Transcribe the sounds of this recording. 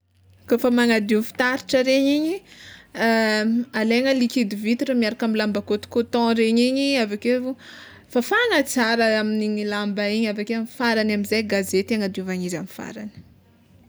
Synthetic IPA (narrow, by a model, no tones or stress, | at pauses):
kofəmaŋad̪iufi̥t̪aɾiʈ͡ʂəɾeɲiɲi | aleŋəlikid̪ivit̪iʈ͡ʂəmiaɾakamilambakot̪i̥kot̪ɔ̃ɾeɲiɲiavake | fafanət͡saɾəaminiɲilambaiɲavakeamfaɾanamizajɡazet̪aŋad̪iuvaɲizamifa̰ɾani̥